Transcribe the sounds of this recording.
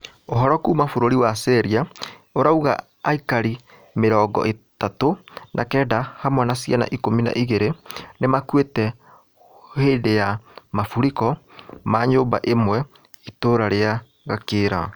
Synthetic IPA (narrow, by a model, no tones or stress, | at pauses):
oɦɔɾɔkuːmafoɾoɾiwasɛɾiaoɾauɣa̰ | aikaɾi | meɾɔɡɔ̰ʔetatonʔakɛːdahamwanasiana̰ʔikomina̰ʔiɣeɾenemakwetɛ | heːndejamafuɾikɔmaːɲoːmba̰ʔemwɛ | itoːɾaɾea | ɣakeɾa̰